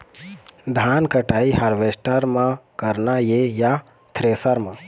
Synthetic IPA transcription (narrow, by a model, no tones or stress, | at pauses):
d̪ʱaːnkəʈaːihaɾʋeːsʈəɾmãkəɾnajeja | t̪ʰɾeːsəɾmã